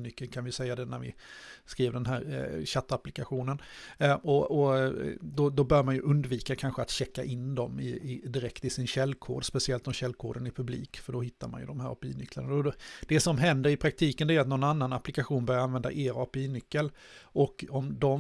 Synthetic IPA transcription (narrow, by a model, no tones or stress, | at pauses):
nʏkːəlkʰanvɪjɵsɛjːad̪ɛnæ̰ɾvɪ̰skɾiːvəɖ̪ɛnɦæːɾɕat̪ːaplɪkaɧuːnənʔɔɔ | d̪ɔd̪ɔbœːɾmanjɵʔɵnd̪viːkakʰanɧəat̪ɕɛkːaʔɪnːd̪ɔmɪ̰ɪd̪ɪɾɛkt̪ɪsɪnɕɛlːkʰoːɖ̪spɛsɪɛlt̪ɔmɕɛlːkʰoːɖ̪ənɪpʰɵblḭːkfœɖɔhɪt̪ʰːaɾma̰njɵ̰d̪ɔmhæːɾɔ̰pɪiːnʏkːlaɳaɔd̪̥ɛsɔmɦɛnd̪əɾɪpʰɾak̚t̪ʰiːkənd̪ɛæɾat̪nɔnanːanapːlɪkaɧuːnbœɾjaɾanvɛnd̪a̰ʔeːɾɑːpɪiːnʏkːəlʔɔkɔmd̪ɔ